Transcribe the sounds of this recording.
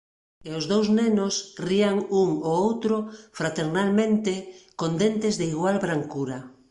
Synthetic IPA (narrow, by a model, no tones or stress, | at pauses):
eozðowznenosriaŋuŋoowt̪ɾofɾat̪eɾnalmẽnt̪ekond̪ent̪ezðeiɣwalβɾaŋkuɾa